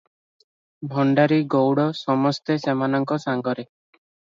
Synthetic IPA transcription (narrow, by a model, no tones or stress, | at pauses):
bʱɔɳɖaɾiɡowɽɔsɔmɔst̪esemanɔŋkɔsaŋɡɔɾe